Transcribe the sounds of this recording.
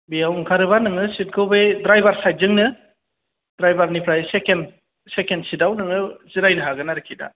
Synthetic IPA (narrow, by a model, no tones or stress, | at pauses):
bijawŋkʰaɾɯβanɯŋɯsit̚ɡʰɯwbejdɾajbaɾsaj̚zɯŋnɯ | d̥ɾajbaɾnipʰɾajseken | sekensidawnɯŋɯziɾajnɯɦaɡɯnaɾɯkʰida̰